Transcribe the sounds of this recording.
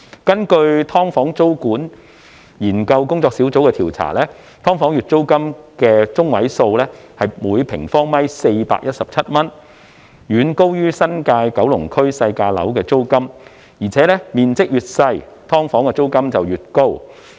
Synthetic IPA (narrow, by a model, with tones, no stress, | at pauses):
kɐ˥nkɵ˧ɥt̪ʰɔː˥ŋfɔː˨˥ŋt͡so˥wkuː˨˥n | jiː˨˩nkɐ˧wkʊ˥ŋt͡sɔː˧ksiː˨˥wt͡so˨˥wkɛ˧t̪ʰi˨˩wt͡sʰa̰ː˨˩lɛː˥ | t̪ʰɔː˥ŋfɔː˨˥ŋjy˨t̚t͡so˥wkɐ˥mkɛː˧t͡sʊ˥ŋwɐ˨˥jso˧wlɛ˥ | hɐ˨jmuː˨˧jpʰɪ˨˩ŋfɔː˥ŋmɐ˥jse˧jpa̰ː˧k̚jɐ˥t̚sɐ˨p̚t͡sʰɐ˥t̚mɐ˥n | jyː˨˧nko˥wjyː˥sɐ˥nkaː˧jkɐ˨˥wlʊ˨˩ŋkʰɵ˥ɥsɐ˧jkaː˧lɐ̰˨˥wkɛː˧t͡so˥wkɐ˥m | jiː˨˩t͡sʰɛː˨˥lɛ˥miː˨nt͡sɪ˥k̚jyː˨t̚sɐ˧j | t̪ʰɔː˥ŋfɔː˨˥ŋkɛː˧t͡so˥wkɐ˥mt͡sɐ˨wjyː˨t̚ko˥w